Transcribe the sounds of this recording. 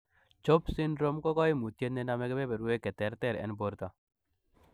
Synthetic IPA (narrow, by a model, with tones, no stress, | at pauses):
t͡ʃɔ˦psi˦nɾo˦mkɔ˦kɔ˦i˦mu˨t̪je˦t̪ne˦na˦me˦ke˦be˦be˨ɾu˨e˦ke˨t̪ɛ˨˦ɾt̪ɛ˨ɾɛ̰˨nbo˨ɾt̪a˨